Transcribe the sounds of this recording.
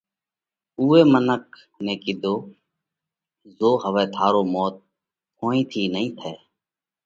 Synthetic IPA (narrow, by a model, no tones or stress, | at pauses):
uːeːmənək̚ | nẽːkɪd̪oː | zoːɦəʋeːt̪ʰaːɾoːmoːt̪̚ | hʰoːĩːt̪ʰiːnəĩːt̪ʰɛː